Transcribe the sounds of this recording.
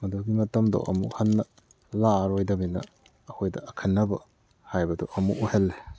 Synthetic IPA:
mɐdoɡimɐtɐmdɔ̰ʔɐ̰mṵhɐnːɐ | laɾojdɐminɐ̰ː | hojdɐɐkʰɐnːɐbɐ̰ | hajbɐdɔʔɐmṵʔuhelːe

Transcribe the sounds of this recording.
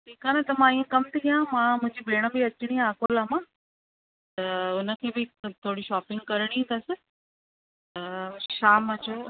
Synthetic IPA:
ʈʰiːkaːnet̪ɐmãiːẽkɐmt̪ʰijãmãːmʊ̃ɦɪ̃ɲd͡ʑibeːɽ̃ə̆bɪɐt͡ɕɪɽ̃ijãːkoːlaːmãː | t̪ɐʊnə̆kʰeːbɪt̪ʰoːɽiʃaːpɪ̃ŋɡ̚kɐɾɽ̃ĩd̪ɐsɪ | t̪ɐʃaːməd͡ʑoː

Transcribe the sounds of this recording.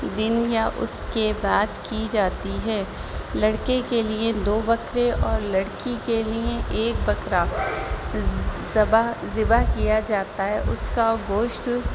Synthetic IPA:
d̪ɪnjaʔʊ̰skebaːd̪kid͡ʒaːt̪iɦɛː | lɐɽkekelied̪oːbɐkɾeʔɔːɾlɐɽkikelieʔeːk̚bɐkɾa | bazɪbakijad͡ʒaːt̪aɦɛːʔʊskaɡoːʃʈ

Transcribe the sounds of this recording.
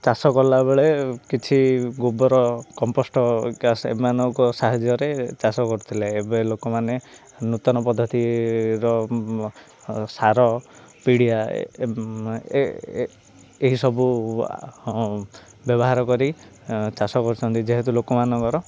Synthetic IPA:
t͡ʃasɔkɔlabeɭekit͡ʃʰiɡubɔɾɔkɔmposʈɔkasḛmanɔŋkɔsaɦad͡ʒjɔɾet͡ʃasɔkɔɾut̪ʰilaebelokɔmane | nut̪ɔnɔpɔd̪ʱːɔt̪iɾɔ | saɾɔ | piɽija | eɦisɔbu | bjɔbɔɦaɾɔkɔɾi | t͡ʃasɔkɔɾut͡ʃʰɔnt̪id͡ʒeɦet̪ulokɔmanɔkɔɾɔ

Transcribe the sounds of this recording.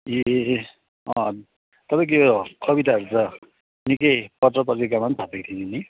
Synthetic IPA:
e | ʌ̃ | t̪ʌpaj̃kijokʌbit̪aɦʌɾut͡sʌ | nikʌjpʌt̪rʌp̬ʌɾikamant̪ʰat̪ʌkt̪ʰienini

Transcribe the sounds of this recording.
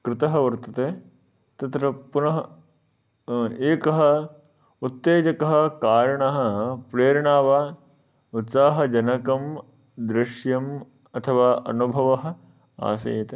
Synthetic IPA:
kɾɪt̪ɐɦɐʋɐɾt̪ɐt̪eː | t̪ɐt̪ɾɐpunɐɦɐ | eːkɐɦɐ̆ | ut̪ːeːd͡ʒɐkɐɦɐ̆kaːɾɐɳɐɦɐ̆pɾeːɾɐɳaːʋaː | ut̪saːɦɐ̆d͡ʒɐnɐkɐm | d̪ɾɪʃjɐm | ɐt̪ʰɐʋaːʔɐnubʱɐʋɐɦɐ̆ | a̰ːsɐ̰jɐt̪e

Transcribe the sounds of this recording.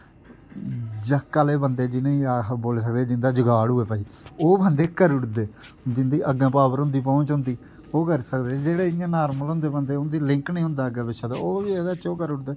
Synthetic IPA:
d͡ʒəkːaːleːbənd̪eːd͡ʒɪnẽaːboːlːs̬ək̚d̪eːd͡ʒɪnd̪aːd͡ʒəɡaːɽɦuːeːpəːiːoːbənd̪eːkəɾʊʈd̪eː | d͡ʒɪnd̪iːʔəɡãːpaːʋəɾɦʊ̃nd̪iːpɔ̃ːɲt͡ʃɦʊ̃nd̪iː | oːkəɾsəkd̪eːd͡ʒeːɽeːɪjãːnaːɾməlɦʊ̃nd̪eːbənd̪eːʊnd̪iːlɪ̃ŋknĩːɦʊ̃nd̪aːɡãːbɪʃaːd̪a̰ːoːied̪at͡ʃoːkəɾʊʈd̪eː

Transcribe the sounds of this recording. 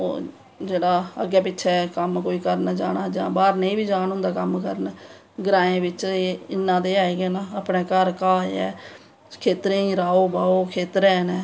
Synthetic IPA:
o̰ː | d͡ʒeːɽaːəɡɛːpɪtːʃʰɛːkəmkoːiːkəɾnd͡ʒaːnaːd͡ʒãːbaːɾneĩːbiːd͡ʒaːnɦʊ̃nd̪aːkəmkəɾən | ɡɾãːẽːbɪt͡ʃːɪnːãːd̪eːaːeːɡeːnãːaːpneːkəɾkaːɛ̰ː | kʰeːt̪ɾẽːĩːɾaːoːbaːoːkʰeːt̪ɾɛːnɛː

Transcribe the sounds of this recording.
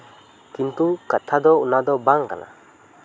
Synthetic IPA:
kint̪ukat̪ʰad̪ɔunad̪ɔbaŋka̰na̰

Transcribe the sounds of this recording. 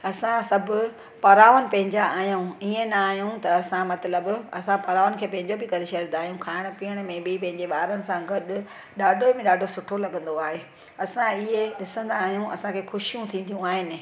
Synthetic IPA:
ɐsãsɐbʱʊ̆ | pɐɾaːʋənɪ̆pɐ̃ɦɪ̃ɲd͡ʑaaːɦijũiẽnɐaːɦijũt̪ɐɐsãmɐt̪ləbɐ̰sãpɐɾaːʋənɪkʰeːpɐ̃ɦɪ̃ɲd͡ʑobɪkɐɾɪʃɐɾnd̪aːɦijũkʰaːɪɽ̃ʊ̆piːəɽ̃̆mẽbɪpɐ̃ɦɪ̃ɲd͡ʑeɓaːɾənɪ̆sãɡɐɗʊ̆ | ɗaːɖʱomẽɗaːɖʱosʊʈʰolɐɠə̃nd̪oaːɦeː | ɐsãɪɦeɗɪsə̃nd̪aːɦijũʔɐ̰sãkʰeːxʊʃijũt̪ʰĩːnd̪ijũaːɦɪnɪ̆

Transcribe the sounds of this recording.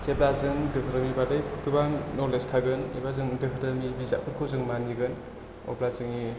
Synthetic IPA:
t͡ʃeblazɯŋdɯkʰɾɯmibadɯjkʰkʰɯbaŋnɔɾlestʰaɡɯnebazɯŋdɯkʰɯɾɯmibiza̰kʰɯɾkʰɯzɯŋmaniɡɯn | ɔ̰blazɯŋi

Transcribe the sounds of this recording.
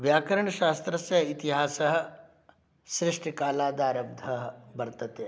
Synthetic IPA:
ʋjaːkɐɾɐɳɐʃaːst̪ɾɐsjɐɦit̪iɦaːsɐɦɐ̆ | ʃɾɪʂʈikaːlaːd̪aːɾɐb̚d̪ʱɐɦbɐɾt̪ɐt̪eː

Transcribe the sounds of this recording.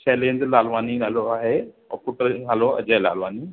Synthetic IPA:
t͡ʃɛːlẽːɲd͡ʒlaːlʋaːninaːloaːɦe | ɔ̰ːpuʈəɾnaːloɐ̰d͡ʑəla̰ːlʋaːni

